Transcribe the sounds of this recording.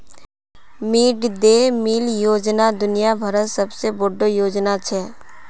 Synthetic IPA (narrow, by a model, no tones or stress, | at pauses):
miːɖd̪eːmiːljoːd͡ʒnad̪ʊnɪjabʱəɾəsəbseboɖojoːd͡ʒnat͡ʃʰɛː